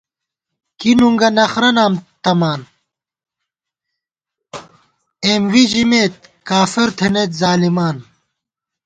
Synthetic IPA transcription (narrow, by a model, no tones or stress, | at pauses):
kinuŋɡɐnɐxɾɐnaːmt̪ɐmaːn | eːmwid͡ʑimeːt̪̚kaːfiɾt̪ʰenet̪zaːlimaːn